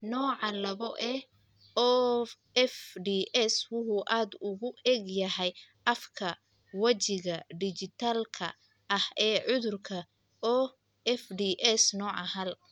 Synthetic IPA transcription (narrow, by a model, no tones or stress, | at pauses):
nɔːʕɑlɐβɔʔɛ | ɔ | ɛfɖiːʔɛswʊħʊːʔaːd̪ʊɣʊʔɛɡjɐɦɛjʔɐfkʰɐ | wɐt͡ʃɪɣɐɖɪt͡ʃɪt̪ʰaːlkʰɐ̰ | ʔɐhɛːʕʊðʊrkʰɐ | ɔ | ɛfɖiʔɛsnɔːʕɑɦɐl